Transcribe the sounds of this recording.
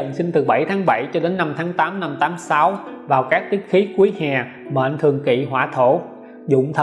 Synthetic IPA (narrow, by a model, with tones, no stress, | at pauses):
ə̰˧˨nsï˧ŋ̟t̪ɨ˨˩ɓa˧˩jt̪ʰaː˨˦ŋɓa˧˩jt͡ɕɔ˧ɗe˨˦nːa˧mt̪ʰaː˨˦ŋt̪aː˨˦mna˧mt̪aː˨˦msa˨˦wvaː˨˩wkaː˦˥k̚t̪ï˦˥k̚xi˨˦kwəjhaː˨˩ | ɓə̰ː˧˨nt̪ʰɨ˨˩əŋkḭ˧˨ɦwa̰ː˧˩t̪ʰo˧˩ | zʊ̰˧˨ŋ͡mt̪ʰ